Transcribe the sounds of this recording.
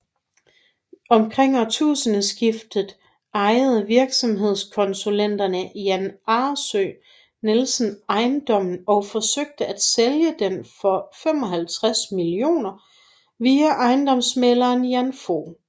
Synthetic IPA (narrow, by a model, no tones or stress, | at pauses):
ɒ̽mkʰʁeŋ̰ɒt͡sʰṵːsənəsɡ̥ifd̥ð̩ˠ | ɑ̈ɪð̞̩ˠʋiɐɡ̥sɒ̽mɦe̝ð̞̰ˠskʰɒ̽nsulen̰d̥ɐnəjænɑ̈ːsø | nelsn̩ɑ̈ɪnd̥ɒ̽m̰n̩ɒ̽ʊfɒ̽søɡ̥̚d̥əæd̥seljəd̥emfɒ̽fem̰ɒ̽ɦælt͡sʰʁasmilio̝̰ːnɐ | ʋiæʔɑ̈ɪnd̥ɒ̽msmelɐːnjænfo̰